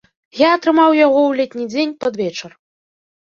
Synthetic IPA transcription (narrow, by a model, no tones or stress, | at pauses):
jaːt̪ɾɨmawjaɣɔwlʲet̪ʲnʲid͡zʲenʲpad̪vʲɛt͡ʂɐr